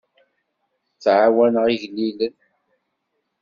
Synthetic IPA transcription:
t͡sːʕawænʁiʝlːilən

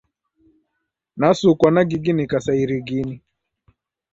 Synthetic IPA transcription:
nasukwanaɡiɡinikasaiɾiɡini

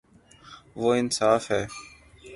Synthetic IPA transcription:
ʋoːɪnsaːfɦɛː

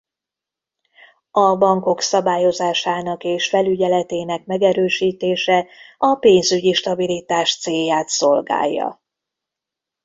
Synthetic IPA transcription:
ɒbɒŋko̞ksɒbaːjo̞zaːʃaːnɒkeːʃfɛlyɟɛlɛt̪eːnɛkmɛɡɛɾøːʃiːt̪eːʃɛɒpeːnzyɟiʃt̪ɒbilit̪aːʃt̪seːjːaːt̪so̞lɡa̰ːjːɒ̰

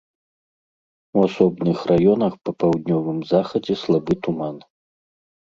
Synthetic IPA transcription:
wasɔbnɨxrajɔnɐxpɐpawd̪̚ʲnʲɔvɨmzaxɐd͡zʲɛslˠabɨt̪uman

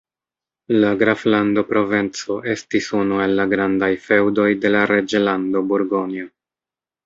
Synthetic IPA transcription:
laɡɾaflando̞pɾo̞ve̞nt͡so̞ʔe̞stisunue̞lːaɡɾandajfe̞wdo̞jde̞laɾe̞d͡ʒelando̞buɾɡo̞nio

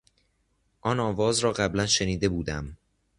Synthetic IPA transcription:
ʔɒːnɒːvɒːzɾɒːɢæblænʃeniːd̪e̞buːd̪æm

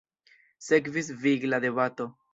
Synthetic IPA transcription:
sekvis̬viɡlad̪ebat̪o

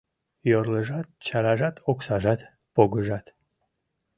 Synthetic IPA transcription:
joɾləʒɑt̪̚t͡ɕɑɾɑʒɑt̪ʰoksɑʒɑt̪ | poɡəʒɑt̪

